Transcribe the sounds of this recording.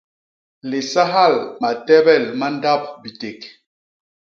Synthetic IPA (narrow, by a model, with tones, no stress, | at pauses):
le˨sa˦ɦa˦˨lma˨tɛ˦bɛ˦˨lma˦n˦da˦p̚bi˨te˨k